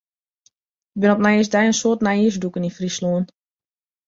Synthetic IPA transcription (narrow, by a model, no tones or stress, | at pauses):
ɪk̚bɪnɔpnais̬dɛjənsoːtnaiəs̬dukənifrisloən